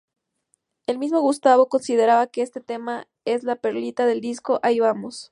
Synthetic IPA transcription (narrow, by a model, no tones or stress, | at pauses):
e̞lmizmo̞ɣust̪aβo̞ko̞nsið̞e̞ɾaβake̞est̪e̞t̪e̞ma | e̞zlape̞ɾlit̪aðe̞ld̪isko̞ʔaiβamo̞s